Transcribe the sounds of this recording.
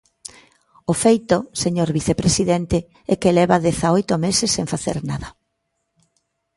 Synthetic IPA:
ʊfejt̪oseɲoɾβiθepɾesiðɛnt̪e | ɛkelɛβaðɛθaojt̪omesesːeŋfaθḛɾnaðɐ

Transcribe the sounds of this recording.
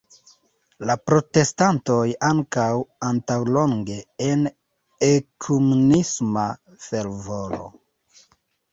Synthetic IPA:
lapɾo̞te̞stanto̞jaŋkawantawlo̞ŋɡe̞en | ekʰumunisma | fe̞lvolo̞̰

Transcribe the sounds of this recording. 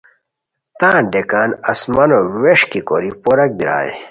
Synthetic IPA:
t̪ãːnɖekaːnɐsmɐnoweʂkikoɾipoɾɐk̚biɾa̰ːjḛ

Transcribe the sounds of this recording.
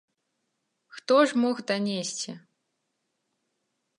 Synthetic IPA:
xt̪ɔʐmɔxd̪anʲesʲt͡sʲi

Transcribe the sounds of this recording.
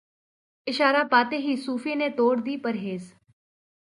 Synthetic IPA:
ɪʃaːɾaːpaːt̪eːɦiːsuːfʰiːneːt̪oːɽd̪iːpəɾɦeːz

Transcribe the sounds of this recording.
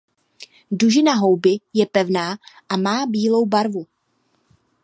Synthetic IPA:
duʒɪnaɦowbɪjɛpɛvnaːʔamaːbiːlo̞wbaɾvu

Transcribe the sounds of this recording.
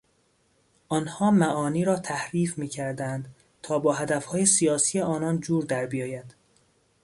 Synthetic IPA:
ʔɒnhɒːmæʔɒːniːɾɒːt̪ʰæhɾiːfmiːcʰæɾd̪ænd̪̥ | t̪ʰɒːbɒːɦæd̪æfhɒːjesijɒːsiːjeɒːnɒnd͡ʒuːɾd̪æɾbijɒːjæd̪̥

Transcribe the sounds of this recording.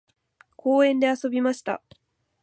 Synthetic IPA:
kʰoːẽnd̪easobimast̪a̰

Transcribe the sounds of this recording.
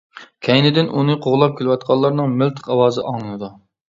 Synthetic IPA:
kʲʰɛjnɪd̪ɪnʔunɨqʰoʁlˠɑp̚kʲʰelɪwɑt̪̚qʰɑlˠːɑɾnɨŋmɪlt̪ʰɨ̥qɑwɑːzɨʔɑŋlɨnɨd̪u

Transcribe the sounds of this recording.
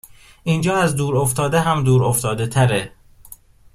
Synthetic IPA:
iːnd͡ʒɒːæzd̪uːɾoft̪ʰɒːd̪eɦæmd̪uːɾoft̪ɒːd̪et̪ʰæɾe

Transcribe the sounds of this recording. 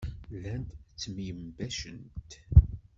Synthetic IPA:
lænd̪t͡sːmijəmbæʃə̰nt̪

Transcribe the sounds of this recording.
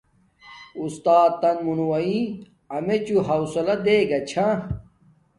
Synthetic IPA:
ust̪aːt̪ːɐnmunuwɐĩ | ɐmet͡ɕuɦɐwsɐlɐd̪eːɡɐt͡ɕʰã

